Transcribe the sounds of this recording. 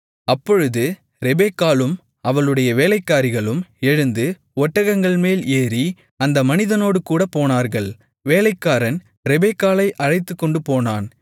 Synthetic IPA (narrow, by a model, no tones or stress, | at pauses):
ɐpːɔɻɯðɯ | ɾɛbeːkːaːlɯm | ɐʋɐɭɯɽɐjɐʋeːlɐɪkːaːɾɪɣɐɭɯmɛɻɯnd̪ɯ | ɔʈːɐɣɐŋɡɐɭmeːleːɾi | ɐnd̪ɐmɐnɪðɐnoːɽɯkuːɽɐpːoːnaːɾɣɐɭ | ʋeːlɐɪkːaːɾɐn | ɾɛbekːaːlɐɪʔɐɻɐɪt̪ːɯkːɔɳɖɯpoːnaːn